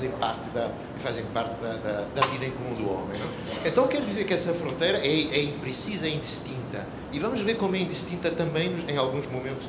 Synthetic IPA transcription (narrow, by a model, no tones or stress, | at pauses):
zẽj̃paɾt̪ɨðɐ | ifazẽj̃paɾt̪ɨðɐðɐd̪ɐviðɐẽkumũd̪uɔ̰mẽj̃nɛ | ẽnt̪ɐ̃w̃kɛɾuðizeɾkɛsɐfɾõnt̪ejɾɐʔɛɛĩpɾɨsizɐĩnd̪ɨʃt̪ĩnt̪ɐ | ivɐmuʒveɾkomuɛĩnd̪ɨʃt̪ĩnt̪ɐt̪ɐ̃mbẽj̃nuʃẽj̃alˠɣũʒmumẽnt̪uʃ